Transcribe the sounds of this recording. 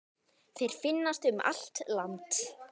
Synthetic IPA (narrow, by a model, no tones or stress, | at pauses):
θejɾ̥fɪnːast̪ʏma̰l̥t̪lant̪